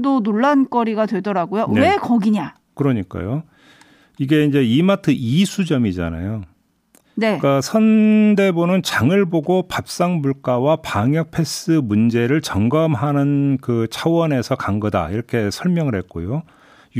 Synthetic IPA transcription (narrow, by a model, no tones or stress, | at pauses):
donoɭːank͈ʌɾiɡadwe̞dʌɾaɡojowekʌɡiɲa | kɯɾʌɲik͈a̰jo | iɡe̞ind͡ʑe̞imatʰɯisʰud͡ʑʌmid͡ʑa̰na̰jo | nek͈asʰʌnde̞bonɯnt͡ɕaŋɯɭboɡopap̚s͈aŋbuɭk͈awapaŋjʌk̚pʰe̞s͈ɯmund͡ʑe̞ɾɯɭt͡ɕʌŋɡʌmɦanɯnkɯt͡ɕʰawʌne̞sʰʌkaŋɡʌda̰iɾʌkʰe̞sʰʌɭmjʌŋɯɭhe̞t̚k͈o̰jo